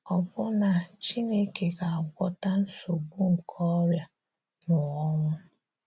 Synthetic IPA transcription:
ɔ˨bʊ˦na˨t͡ʃi˦ne˦ke˨ka˨a˨ɡʷɔ˦ta˦n̩˦so˨ɡ͡bu˦ŋ̩˨kʰɔ˦ɾja˨ | nʊ˨ɔ˦ŋʷʊ˦

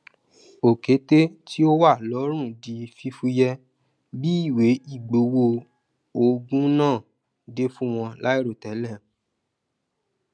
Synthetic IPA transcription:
o˨ke˨˦te˦ti˦o˦wa˦˨lɔ˨˦ɾ̃ũ˦˨di˨˧fi˧fu˧jɛ˧ | bi˦i˦˨we˨˦i˦˨ɡ͡bo˨˦wo˧ | o˧ɡũ˦nãː˦˨ | de˦fũ˦w̃ɔ̃˧la˦i˦ɾo˦˨tɛ˨˦lɛ˦˨

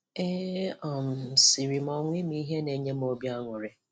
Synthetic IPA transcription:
e˦ɔ˨m̩˨si˨ɾi˨m˨ɔ˨ŋʷi˦m̩˦i˦ɦe˦ne˨ɲe˦m̩˦o˦bja˦ŋʷʊ˨ɾɪ˦

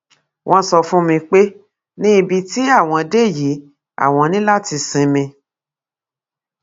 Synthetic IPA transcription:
w̃ʔɔ̃˧sɔ˧fũ˦mĩ˧k͡pe˦ | nĩ˦˧bi˧ti˦a˦˨w̃ɔ̃˧de˦˨ji˨˦ | a̰˦˨w̃ɔ̃˧nĩ˦la˦˨ti˧sĩ˧mĩ˧

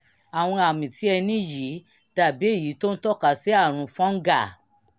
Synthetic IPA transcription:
a˨w̃ɔ̃˧a˨mĩ˨ti˨˦ɛ˧nĩ˦ji˨˦ | d̥a˦˨bi˨˦e˦˨ji˨˦to˦n̩˦tɔ˦ka˧˨sɛ˦a˦˨ɾ̃ũ˧fɔ̃˦ɡa˦˨

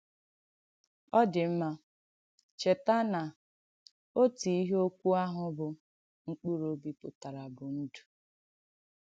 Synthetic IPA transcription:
ɔ˦dɪ˨m̩˦ma˦ | t͡ʃe˨ta˦na˨ | o˦ti˨i˦ɦo˦kʷu˦a˦ɦʊ˦bʊ˨ | ŋ̩˦k͡pu˦ɾo˦bi˦pʊ˨ta˨ɾa˨bʊ˨n̩˦du̥˨

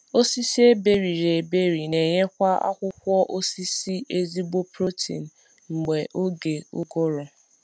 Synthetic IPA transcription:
o˦si˦si˦e˦be˦ɾi˨ɾe˨be˦ɾi˨ne˨ɲe˦kʷa˦a̰˦kʷʊ˦kʷɔ˦ʔo˦si˦si˦ʔe˦zi˦ɡ͡bo˦pɾo˦tḭ˨n̩˨ | ŋ͡m̩˨ɡ͡be˨ʔo˦ɡe˨ʊ̰˦ɡʊ˦ɾɔ˨

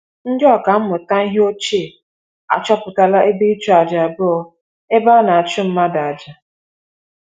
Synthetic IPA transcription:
n̩˦dɪ˦ɔ˨ka˨m̩˦mʊ˨ta˦i˦ɦe˦o˦t͡ʃi˦˨ | a̰˨t͡ʃɔ˦pʊ˨ta˨la˦ʔe˦bi˦t͡ʃu˦a˨d͡ʒa˨a˨bʊ˦ɔ˦ | e˦ba˦na˨a˨t͡ʃɪ˦m̩˦ma˦da˨a˨d͡ʒa˨

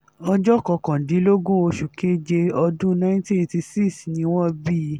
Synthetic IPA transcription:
ɔ˧d͡ʒɔ˦kɔ˧kã˨di˨˦lo˦ɡũ˦o˧ʃu˨ke˦d͡ʒe˧ɔ˧dũ˦nã˦ĩ˦ti˦e˧ti˧si˦snĩ˧˦w̃ɔ̃˦bi˦

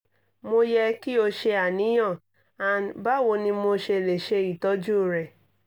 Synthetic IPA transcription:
mo˧jɛ˧ki˦o˧ʃe˧a˨nĩ˨˦j̃ɔ̃˦˨ | a˨n˨ba˦˨wo˧nĩ˧mo˧ʃe˧˨le˨ʃe˧i˨tɔ˨˦d͡ʒu˦˨ɾɛ˨

